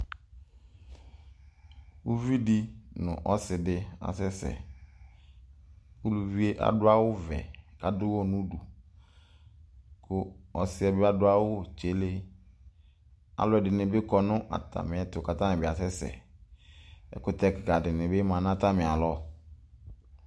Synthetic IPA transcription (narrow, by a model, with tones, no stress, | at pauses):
wu˦vi˦di˦nʊ̰̃˨ʔɔ˦sɪ˨dɪ˦a̰˨sɛ˦sɛ̰˨ | u˦lu˨vi˦e˦ʔa̰˨dʊ˦a˦wʊ˦vɛ̰˨ka˨dʊ˦wɔ˦˨nʊ̃˦du˨ | kʰʊ˦ɔ˨sɪ˦ɛ˨bɪ˦a˦dʊ˦a˦wʊ˦˨t͡ʃe˨le˦ | a̰˨lɔ˦ɛ˨dɪ˨nɪ̃˨bɪ˦kɔ˨nʊ̃˦ʔa̰˨tʰa̰˨mɪ̃˨ɛ˨tʊ˨ka˨tã˦nɪ̃˨bɪ˨a˨sɛ˦sɛ̰˨ | ɛ̰˨kʊ˦˨tɛ˦kɪ˨ka˨dɪ˨nɪ̃˨bɪ˦mã˨n˦ã˦ta˦mɪ̃˨a˨lɔ˦